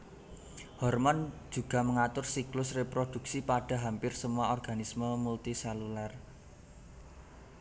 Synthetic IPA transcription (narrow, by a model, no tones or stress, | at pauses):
hɔrmɔn̥d͡ʒ̥ṳɡ̥ä̤məŋat̪ʊrsiklʊsrepɾod̪̥ṳk̚sipaɖ̥ä̤ɦampɪrsəmuaɔrɡ̥a̤nisməmult̪isalular